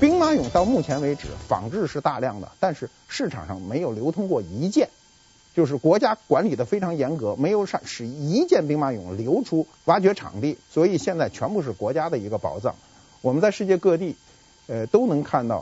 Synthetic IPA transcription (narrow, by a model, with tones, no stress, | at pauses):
pi˥ŋma˥jʊ˨˩˦ŋt̪ɑ˥˧ʊmu˥˩t͡ɕʰjɛ˧˥nwe˧˥ɪʈ͡ʂɻ̩˨˧˩fɑ̰˨˩ŋʈ͡ʂɻ̩˥˧ʂɻ̩˥˧t̪a˥˧ljɑ˥˩ŋd̪ə̰˩t̪a˥˧nʂɻ̩˥˧ | ʂɻ̩˥˩ʈ͡ʂʰɑ̰˨˩ŋʂɑ̰˥˩ŋme˧˥ɪjo˨˩ʊljo˧˥ʊt̪ʰʊ˥ŋkwɔ˥˩i˧˥t͡ɕjɛ˥˩n | t͡ɕjo˥˧ʊʂ̬ɻ̩˥˩kwɔ˧˥t͡ɕja˥kwa˧˥nli˨˩d̪ə˦fe˥ɪʈ͡ʂʰɑ˧˥ŋjɛ˧˥nkɤ˧˥me˧˥ɪjo˧˥ʊʂɑ˥˩ŋʂɻ̩˨˩i˧˥t͡ɕjɛ˥˩˧npi˥ŋma˥jʊ̰˨˩ŋljo˧˥ʊʈ͡ʂʰu˥ | wa˧˥t͡ɕɥɛ˧˥ʈ͡ʂʰɑ̰˨˩ŋt̪i˥˩swɔ˧˥i˨˩ɕjɛ˥˧nt͡sa˥˩ɪt͡ɕʰɥɛ˧˥npu˥˧ʂɻ̩˥˩kwɔ˧˥t͡ɕja˥d̪ə˨i˧˥ɡə˧pɑ̰˧˩ʊʈ͡ʂɑ̰˥˩ŋ | wɔ˨˩mə˦nt͡sa˥˧ɪʂɻ̩˥˧t͡ɕjɛ˥˧kɤ˥˧t̪i˥˩ | ə˧t̪o˥ʊnɤ˧˥ŋkʰa˥˧nt̪ɑ˥˩ʊ